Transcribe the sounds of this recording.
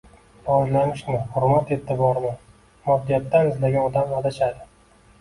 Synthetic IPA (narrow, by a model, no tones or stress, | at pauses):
ɾɒʒlamɪʃmɪhʊɾmat̪et̪ʰːɪbɒɾmɪ | mɒd̪ijat̪ːanɪzlaɡʲanɒd̪amvad̪aʃad̪ɪ